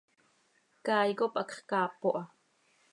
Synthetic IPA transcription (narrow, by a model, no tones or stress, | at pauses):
kaːjkopʔakχkaːpoʔa